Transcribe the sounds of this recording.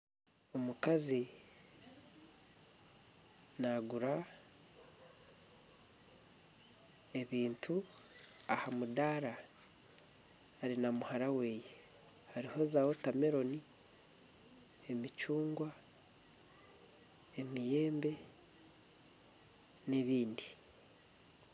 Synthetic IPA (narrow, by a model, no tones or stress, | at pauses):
o̞mukazi | naɡuɾa | e̞βiːntʰu | ahamudaːɾa | ɾinamuhaɾawe̞ːje | haɾiho̞zawo̞tameɾo̞ni | emit͡ʃuːŋɡwa | emije̞ːmbe̞ | neβiːndi